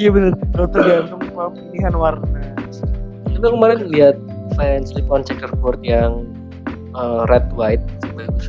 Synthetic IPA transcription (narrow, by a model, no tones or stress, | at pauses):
jabənərdot̪əɡant̪ʊmapiniɦanwarna | abalkəmaɾɪnliat̪̚fɛnslip̪ɔnt͡ʃɛkərkɔrt̪̚jaŋ | ʔərɛt̪̚waɪt̪̚siba